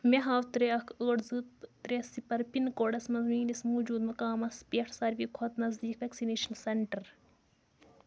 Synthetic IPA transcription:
meɦaːwt̪ɾeɐkʰəːɽzɨt̪ːɾesipɐɾpinkoɖɐsmɐzmiːnismoːd͡ʒuːd̪mɐkaːmɐspeːʈʰsɐɾʋiːkʰot̪nɐzd̪iːkʋeksineːʃɐnsɐɳʈɐɾ

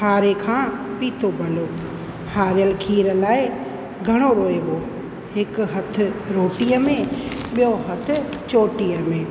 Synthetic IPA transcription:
haːɾekʰãːpiːt̪ʰobʱɐloː | haːɾɪjəlkʰiːɾəlaːɪ | ɡʱɐɽ̃oɾoːeɓoː | ɦɪkɦɐt̪̆ʰɾoːʈijəmẽɓɪjoɦɐt̪ʰʊ̆t͡ʃoːʈijəmẽː

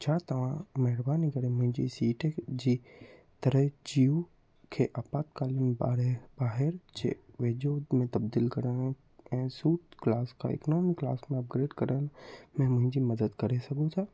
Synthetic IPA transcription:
t͡ʃʰaːt̪ɐʋ̤ãmɛɦɪɾbaːnikɐɾemʊ̃ɦɪ̃d͡ʑḭsiːʈʰed͡ʑi | t̪ɐɾəɦd͡ʒiu | kʰeʔaːpaːt̪̚kaːlɪmba̰ːɾebaːɦɪɾd͡ʒḛʋeːd͡ʒoːd̪mẽt̪ɐb̚d̪iːlkɐɾən | ɛ̃ːsuːt̪klaːskʰa̰ɪ̰knoːmɪkːla̰ːsmẽɐp̚ɡɾeːɖkɐɾənmɛ̃ːmʊ̃ɦɪ̃ɲd͡ʑimɐd̪əd̪kɐɾesɐɡot̪ʰaː

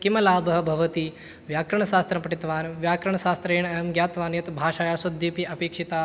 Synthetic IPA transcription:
kimɐlaːbʱɐɦɐbʱɐʋɐt̪i | ʋjaːkɾɐɳɐʃaːst̪ɾɐmpɐʈit̪ʋaːnʋjaːkɾɐɳ̃ɐʃaːst̪ɾeːɳemɡjaːt̪ʋaːnjɐt̪bʱaːʃaːjaːsɐd̪ʱːipiɐpeːkʂit̪aː

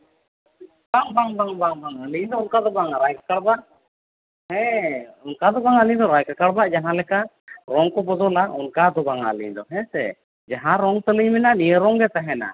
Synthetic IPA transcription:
baŋbaŋbaŋbaŋbaŋaliɲd̪ɔunkad̪ɔbaŋɾajkḁkaɽbaʔ | hɛ̃unkad̪ɔbaŋaliɲd̪ɔɾajkakaɽbaʔd͡ʒaɦãlɛka | ɾɔŋkɔbɔd͡ʒɔlaʔɔnkad̪ɔbaŋa̰lḭɲd̪ɔɦɛ̃sɛ̰ | d͡ʒaɦãɾɔŋt̪ələɲmɛnaʔnijəɾɔŋɡɛt̪aɦɛna̰

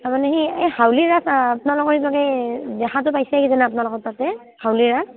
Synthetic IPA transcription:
taɹmanɛɦiehawliɹasapnalɔkɔɹibaɡɛdɛxʰatʊpajsɛkizanaapʊnalɔkɔttːatɛ | hawliɹas

